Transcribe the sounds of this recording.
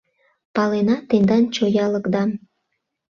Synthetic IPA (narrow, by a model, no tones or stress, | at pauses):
pɑlenɑt̪end̪ɑnt͡ɕojɑləkd̪ɑm